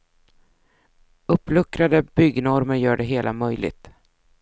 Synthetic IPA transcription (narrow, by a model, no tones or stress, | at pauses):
ɵpːlɵkɾad̪əbʏɡnɔɾməɾjœːɖɛɦeːlʔa̰mœjlɪ̰ɡ̚t̪